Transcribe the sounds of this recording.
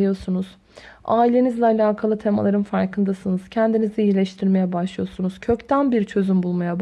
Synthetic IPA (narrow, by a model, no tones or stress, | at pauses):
ijo̞sunuz̥ | aːilʲe̞nizlʲɛalʲaːkʰalˠɯt̪ʰe̞ma̰lˠaɾɯnfaɾkʰɯnd̪asɯnɯz̥cʰænd̪iniziiilʲɛʃt̪ʰiɾme̞jɛbaʃlˠɯjo̞sunuz̥cʰø̞ct̪ʰænbiɾt͡ʃʰø̞zymbulˠmajab